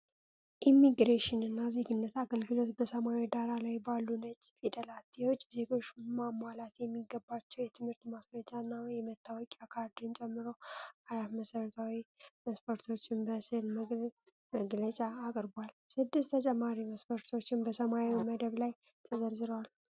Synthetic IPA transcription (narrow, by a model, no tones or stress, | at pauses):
ʔimːiɡɾeʃɪnɨnːazeɡɨnːət̪aɡəlɡɨlo̞t̪bəsəmaed̪aɾalajbalːunət͡ʃfid̪əlat̪jɛwʊt͡ʃʼːze̞ɡo̞t͡ʃːmamalat̪jɛmːiɡəbːat͡ʃːɛwjɛt̪ʰɨmhɨɾt̪masɾəd͡ʒanːajɛmət̪ʰːawɔkʼakʰaɾd̪ɨnt͡ʃʼɛmːɨɾo̞aɾafməsəɾət̪ʰawiməspʰoɾt̪ʰo̞t͡ʃːɪnbəsɨhlm | məɡlət͡ʃʼaːkʼɾbalsɨd̪ːɨst̪ʰət͡ʃʼɛmːaɾiməspʰəɾt̪ʰo̞t͡ʃːɪnbəsəmaewməd̪əβlaj | t̪ʰəzəɾzɨɾəwal